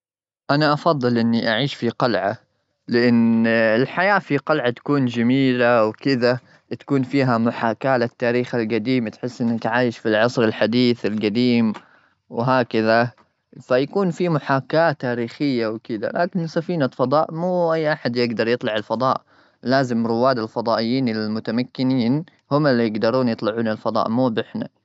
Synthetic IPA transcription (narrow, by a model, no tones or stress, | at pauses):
ʔanaʔɑfɑðˤːɨlʔɪnːiʔaʕiːʃfiqɑlʕa | lɪʔanɪlħajaːfiqɑlʕat̪ḁkuːnd͡ʒamiːlawkɪd̪a | t̪ḁkuːnfiːɦamʊħaːkaːlɪt̪ːaːɾiːxalɡad̪iːmt̪ħɪsːʔɪnːat̪ʕaːjɪʃfilʕɑsˤɾalħad̪iːθalɡad̪iːm | wɦaːkaða | fajakuːnfimʊħaːkːaːt̪ːaːɾiːxɪjːawkɪd̪a̰lʔaːkɪnsafiːnafɑd̪ˤɑːʔmuːʔajːʔaħad̪jɪɡd̪ɑɾˤjɨt̪ˤlɑʕɪlfɑd̪ˤɑ̰ːʔ | laːzɪmɾʊwːaːd̪ɪlfɑd̪ˤɑːʔɪjːiːnɪlmʊt̪amakːɪniːn | hʊmɪlːijɪɡd̪ɑɾˤuːnjɨt̪ˤlɑʕuːnalfɑd̪ˤɑ̰ːʔmuːbɪħna